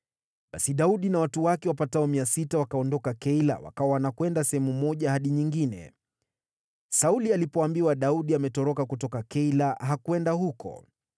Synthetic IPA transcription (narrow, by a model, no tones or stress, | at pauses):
ɓasiɗauɗinawatuwakɛwapataɔmiasitawakaɔndɔkakɛila̰wa̰kawawanakwɛndasɛhɛmumɔʄahaɗiɲiŋɡinɛ̰ | saulialipɔambiwaɗauɗiamɛtɔɾɔkakutɔkakɛilaɦakuwɛndahukɔ̰